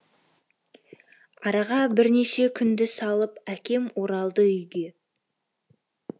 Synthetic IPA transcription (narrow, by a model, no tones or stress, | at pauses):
ɑɾɑʁɑbɪɾne̞ʃe̞kʲʰʏnd̪ɪsɑlˠəpækʲe̞mwo̞ɾɑlˠd̪əʏjɡʲe̞